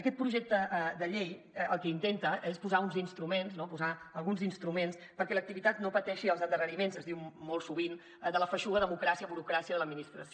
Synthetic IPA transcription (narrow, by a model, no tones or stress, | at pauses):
əkɛt̪̚pɾuʒɛk̚t̪əd̪əʎej | əlˠkɛint̪ent̪əʔespuzaunzinst̪ɾumenznopuzaəlˠɣunzinst̪ɾumenspəɾkɛlək̚t̪iβit̪at̪nopət̪ɛʃiəlˠzənd̪ərənimenzəzðiwmolˠsuβin | ðələfəʃuɣəðəmukɾasiəβuɾukɾasiəðələd̪̚minist̪ɾəs